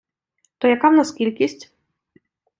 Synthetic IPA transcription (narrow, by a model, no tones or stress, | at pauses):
t̪ɔjɐkawnaskʲilʲkʲisʲtʲ